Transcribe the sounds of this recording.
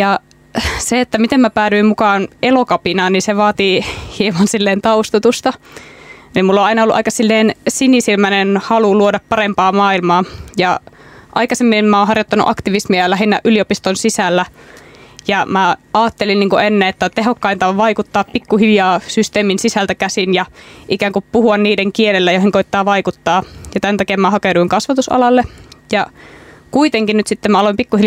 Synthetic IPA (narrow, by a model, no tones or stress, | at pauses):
jɑ | seet̪ːæmit̪emmæpæːɾyimmukɑːnelokɑpinɑːniseʋɑːt̪ihiemɑnsilːeːnt̪ɑust̪ut̪ust̪ɑ | nimulːoɑinɑolːuʔɑikɑsilːeːnsinisilmænenhɑluluodɑppɑɾempɑːmɑːilmɑːjɑ | ʔɑ̰ikɑsemːiemmæõhɑrjot̪ːɑnṵʔɑkt̪iʋismiɑlæɦinːæʔyliopist̪onsisælːæ | jɑmæɑːt̪ːelinniːŋkuenːeet̪ːæt̪eɦokːɑint̪ɑʋʋɑikut̪ːɑːppikːuhiljɑːsyst̪eːminsisælt̪ækæsinjɑʔikæːŋkuppuhuɑnniːdeŋkielelːæjoihiŋkoit̪ːɑːʋɑikut̪ːɑːjɑt̪ænt̪ækeːmæhɑkeduiŋkɑsʋɑt̪usɑ̰lɑlːejɑkuit̪eŋkinnyt̪sit̪ːemæɑloimpikːuhil